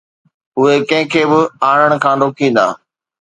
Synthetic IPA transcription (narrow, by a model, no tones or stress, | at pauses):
ʊɦekɐ̃ɦɪ̃kʰeːbɪaːɽ̃əɽ̃kʰãːɾoːkĩːnd̪a̰ː